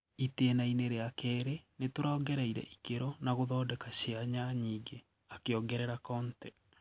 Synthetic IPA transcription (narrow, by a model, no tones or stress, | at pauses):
iteːnaineɾeakɛːɾenetoɾaːɡɛɾɛiɾɛ̰ʔikeɾɔnaɣoðɔːdɛkaɕeaɲaɲiːɡe | akeɔɡɛɾɛɾakɔːntɛ